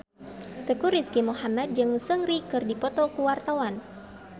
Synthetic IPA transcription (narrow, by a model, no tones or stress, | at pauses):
t̪əkuɾiskimuhamat̪̚d͡ʒɨŋsəŋɾikɨrdipɔt̪ɔkuwart̪awan